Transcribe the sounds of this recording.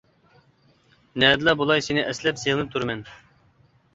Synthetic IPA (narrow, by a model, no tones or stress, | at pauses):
nɛːd̪ɨlˠɑbulˠɑjsɪnɪʔɛslɛpsenɨt̪ʰuɾmɛn